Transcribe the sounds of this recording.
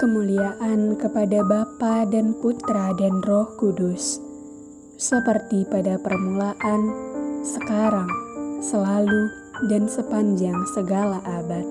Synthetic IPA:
kəmuliaʔankəpadabapadanput̪ɾadanrɔhkudʊs | səpərt̪ipadapərmulaʔansəkaɾaŋsəlalu | dansəpaɲd͡ʒaŋsəɡalaʔabat̪̚

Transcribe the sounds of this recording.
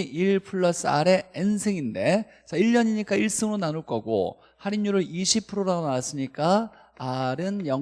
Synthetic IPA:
ʔiɭpʰɯɭːʌs͈ɯa̰ɾe̞ensʰeŋinde̞ | t͡ɕ͈ʌiʎːʌɲiɲik͈aiɭs͈ɯŋɾonanuɭk͈ʌɡo̰ | haɾiɲːuɾɯɭiɕʰipʰɯɾoɾaɡonawas͈ɯɲik͈a | aɾɯnjʌ

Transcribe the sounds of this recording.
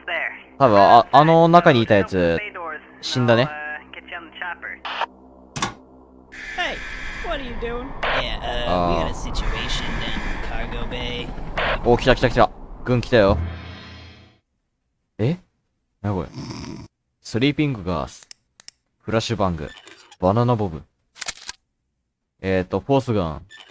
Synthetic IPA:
ðɛ˞t̪aβɯ̟̃aano̞nakaɲ̟iːt̪ajat͡sɨdɔɹz̥ɕĩnd̪aneɡ̥ɛt͡ʃnət͡ʃʰæpə̰˞ | heɪwʌtəjɨdʉɪ̃ŋjæasɪt͡ʃueɪʃɨ̃nɨ̃nkʰɑɹɡoʊbeɪokʲi̥t̪akʲi̥t̪akʲi̥t̪aɡɯ̃ŋkʲi̥t̪ajo̞ | e | nakoɾḛ | sɨɾʲiːpʲĩŋɡɯ̟ɡa̰ːsɨ̥ | ɸɯ̟ɾaɕɨbãŋɡɯ̰b̥ananabobɯ̟̃ | et̪ːoɸo̞ːsɨɡã̰

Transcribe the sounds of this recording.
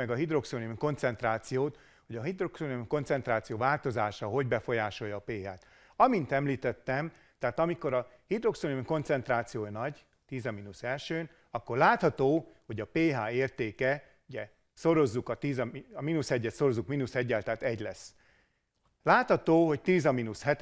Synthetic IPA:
ɛɡɒɦid̪ro̞ksoniko̞nt̪sɛnt̪raːt̪sijoːt̪ | ho̞ɟɒɦid̪roksoniko̞nt̪sɛnt̪raːt̪sijoːvaːlt̪o̞zaːʃɒɦo̞ɟbɛfo̞jaːʃo̞jɒːpeːɦaːt̪ | ɒmint̪ɛmliːt̪ɛt̪ːɛm | t̪ɛɦaːt̪ɒmiko̞ɾɒ | hid̪ro̞ksonimko̞nt̪sɛnt̪raːt̪sijoːjɒnɒɟ | t̪iːzɒminusɛlʃøːn | ɒkːo̞rlaːt̪hɒt̪oːho̞ɟɒpeːɦaːeːrt̪eːkɛ | uɟɛ | so̞ɾo̞zːukɒt̪iːzɒɒmiːnushɛɟːɛt̪so̞ɾo̞zukmiːnushɛɟːɛlt̪aːt̪ɛɟlɛsː | laːt̪hɒt̪oːɦo̞ct̪iːzɒmiːnushɛt̪

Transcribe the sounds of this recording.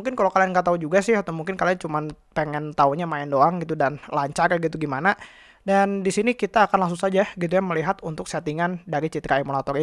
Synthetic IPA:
uŋkɪnkalokalianɡat̪aud͡ʒuɡasɪhat̪omuŋkɪnkaliant͡ʃuman | peŋɛnt̪auɲamaɛndoaŋɡit̪udanlaɲt͡ʃarɡit̪uɡimana | dandisinikit̪aːkanlasusad͡ʒaɡit̪̬ujaməliɦat̪unt̪ʊk̚sat̪iŋandaɾit͡ʃit̪ɾaemulat̪ɔri

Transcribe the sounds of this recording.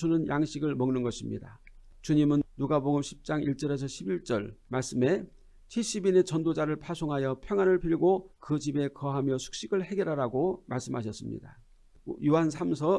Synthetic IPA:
unɯnjaŋɕʰiɡɯɭmʌŋnɯnɡʌɕʰimɲḭda | t͡ɕuɲimɯnːuɡaboɡɯmɕʰi̥p̚t͡ɕ͈aŋiɭt͡ɕ͈ʌɾe̞s̬ʰʌɕʰibiɭt͡ɕ͈ʌɭmaɭs͈ɯme̞ | t͡ɕʰiɕ͈ibine̞t͡ɕʌndod͡ʑaɾɯɭpʰasʰoŋɦajʌpʰjʌŋɦanɯɭpʰiʎɡokɯt͡ɕibe̞kʌɦamjʌsʰu̥k̚ɕ͈iɡɯɭɦe̞ɡeɾɦaɾaɡomaɭs͈ɯmɦaɕ̬ʰʌs͈ɯmɲḭda | juɦansʰamsʰʌ

